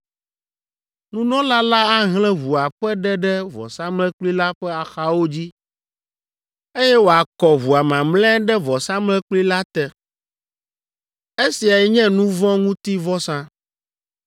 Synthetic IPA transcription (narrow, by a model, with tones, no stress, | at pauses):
nũ˦nɔ̃˦la˦la˦a˦ɦl̃ɛ̃˦vu˨a˨ɸɛ˦ɖɛ˦ɖɛ˦vɔ̰˨sã˦mlɛ̃˦k͡pli˦la˦ɸɛ˦a˨xa˦wo˦d͡ʑi˦ | e˦jɛ˦wo˨a˨kɔ˨vu˨a˨mã˨mlɛ̃˦ɖɛ˦vɔ˨sã˦mlɛ̃˦k͡pli˦la˦t̪ɛ˨ | e˦si˨a˨jɛ˦ɲɛ̃˦nũ˦vɔ̃˦ŋũ˦t̪i˦vɔ˦sã˦